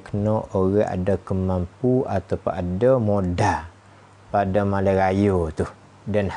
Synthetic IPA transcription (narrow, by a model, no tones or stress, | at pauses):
kənɔʔoɣaa̰dəkəmampuat̪apʊnadəmoda | padamalaɾajot̪ʊh | danh